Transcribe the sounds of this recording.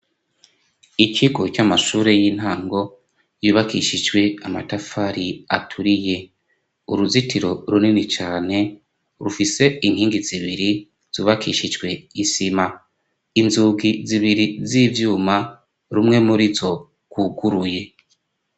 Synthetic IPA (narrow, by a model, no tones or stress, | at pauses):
icʰiɡo̞t͡ʃamaʃuːɾe̞jiːn̥haːŋɡo̞ | juβakḭʃid͡ʒɡwe̞ama̰tafaɾiatʰuɾije̞ | uɾuzitiɾo̞ɾuninit͡ʃaːne̞ | ɾufise̞iŋ̥hiːŋɡiziβiɾi | z̥uːβakʰḭʃid͡ʒɡwe̞isima | inzuɡiziβiɾiziːvjuːma | ɾumŋe̞muɾizo̞ | ɡ̥wuɡuɾuje̞